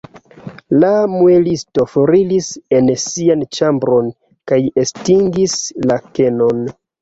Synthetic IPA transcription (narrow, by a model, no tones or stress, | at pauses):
lamuelisto̞foɾilise̞nsiant͡ʃambɾo̞n | kaje̞stiŋɡislakeno̞n